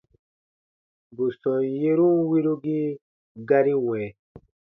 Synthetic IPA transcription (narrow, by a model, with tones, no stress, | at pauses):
bu˨sɔ̃˨je˦ɾũ˦wi˦ɾu˦ɡi˦ | ɡa˦ɾi˦wɛ̃˨